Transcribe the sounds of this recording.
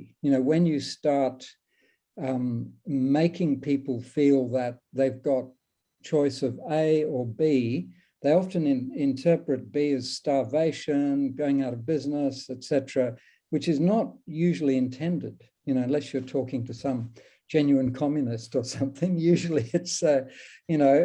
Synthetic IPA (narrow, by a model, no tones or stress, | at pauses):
jɨnoʊwɨ̃njɨstɑɹt | meɪkʰɪ̃ŋpʰipl̩ˠfilˠðət̪̚ðeɪvɡɑt̚ | t͡ʃʰɔɪsʌveɪə˞bi | ðeɪɑfɨ̃nɨ̃ɪ̃ntʰɜ˞pɹɨt̚b̥iɨz̥stɑɹveɪʃɨ̃nɡoʊɪ̃ŋaʊɾʌvbɪznəsɨtsɛtɹ̥ə | wɨt͡ʃɨznət̚jʉʒl̩ˠiɨ̃ntʰɛ̃ndɨd̥ | jɨnoʊə̃nlɛsjə˞tʰɔkɪ̃ŋtʰɨsʌ̃m̥ | d͡ʒɛ̃njʉɨ̃nkʰɑmjɨnɨstə˞sʌ̃mθɪ̃ŋjʉʒl̩ˠiɨtsojɨnoʊ